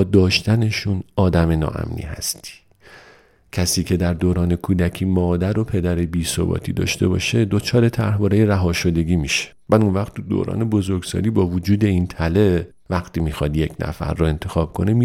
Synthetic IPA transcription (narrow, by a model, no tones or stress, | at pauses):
d̪ɒːʃt̪æne̞ʃunɒːd̪æme̞nɒ̰ːʔæ̰mnḭːhæ̰st̪i̥ː | cʰæsiːcʰe̞d̪æɾd̪oːɾɒːne̞kʰuːd̪æcʰiːmɒːd̪æɾo̞pʰe̞d̪æɾe̞biːso̰bɒ̰ːt̪ʰḭːd̪ɒ̰ːʃt̪e̞bɒ̰ːʃe̞d̪ot͡ʃʰɒːɾe̞t̪ʰæɾɦbɒːɾejeɾæɦɒːʃo̞d̪e̞ɡʲiːmiːʃe̥ | væd̪unvæχt̪ːud̪o̰ːɾɒ̰ːnebo̞zo̞ɾɡsɒ̰ːliːbɒːvod͡ʒuːd̪e̞iːnt̪ʰæle̞ | væxt̪iːmiːxɒːd̪je̞cʰnæ̰fæ̰ɾːɔe̞nt̪ʰe̞xɒːb̥̚kʰo̞nemi